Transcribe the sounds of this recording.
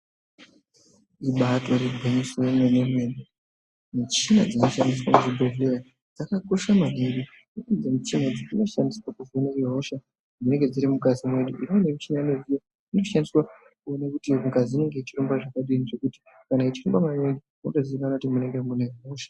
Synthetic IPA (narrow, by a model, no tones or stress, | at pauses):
iɓatorebʱeɲisojemwenemwe̞ɗu | nut͡ʃinad͡zino̞ʃandis̬wamuʐibʱoveɾa | d͡zakako̞ʃamaɦeɾi | uizemut͡ʃinad͡ziino̞ʃandiswakuvunaiɦo̞ʃa | mune̞ŋɡe̞d͡ziɾimukazimwe̞ɗuʔinionemut͡ʃinanezija | ino̞ʃandiswa | kuonakutiukaziine̞ŋɡeit͡ʃirumbaʐakaɗiniʐe̞kuti̥ | kanait͡ʃirumbamaneɗi | mutoziikanakutimuneŋɡemuneiɦoːʃḁ